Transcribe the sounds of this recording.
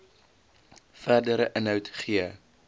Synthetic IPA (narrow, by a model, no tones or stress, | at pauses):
færdəɾəʔənɦœwtχiə